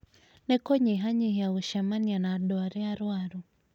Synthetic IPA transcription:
nɛkɔɲiɦaɲihjauʃamanianaɗɔaɾɛaɾwaɾu

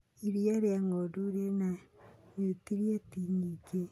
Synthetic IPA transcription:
iɾiaɾeaŋoduɾenanetiɾiatiɲike

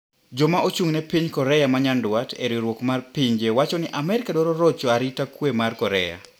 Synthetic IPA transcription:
d͡ʒɔmaʔot͡ʃuŋnɛpiɲkɔɾɛjamaɲandwatḛɾiɾwokmarpiɲd͡ʒewat͡ʃɔnɪʔamɛɾɪkadɔɾɔɾɔt͡ʃɔaɾitakwemarkɔɾɛja̰

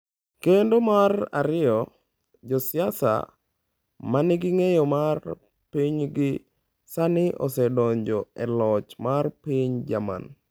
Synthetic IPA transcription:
kendomara̰ɾɪjɔ | d͡ʒɔsɪasa̰ | manɪɡɪŋejɔmar | piɲɡɪ | sanɪʔɔ̰sɛdɔɲd͡ʒɔɛlɔt͡ʃmarpiɲd͡ʒama̰n

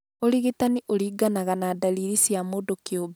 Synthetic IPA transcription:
oɾiɣitaniʔoɾiːɡanaɣanadaliɾisjamoːdokeobɛ

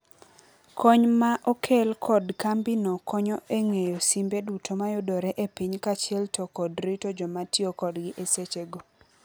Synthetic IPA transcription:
kʰoɲmaʔokʰelkʰɔdkambinokʰɔɲɔʔeŋejosimbedutʰomajʊdoɾɛʔepiɲkat͡ʃɪɛltokɔdɾitod͡ʒɔmatiokɔdɡɪʔeset͡ʃeɡo

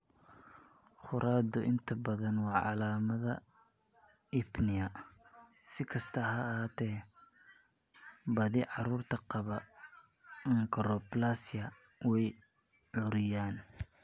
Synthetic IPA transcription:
χʊɾʔaːd̪ʊʔɪnt̪ʰɐbɐðɐnwɑːʕɑ̰laːmɐðɐ | ɪbnɪɐ | sɪkʰɐst̪ʰɐɦɐhaːt̪ʰɛː | bɐðɪʕɑɾuːrt̪ʰɐqɑβɐ | ŋkʰɐɾɔblasjɐ | wɛj | ʕʊɾɪjaːn

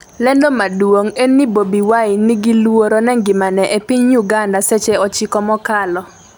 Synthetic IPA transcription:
lɛndomadwoŋenːibobiwaɪniɡilwoɾonɛŋɡɪmanɛʔepiɲjuɡandaset͡ʃeɔt͡ʃɪkɔmɔkalɔ

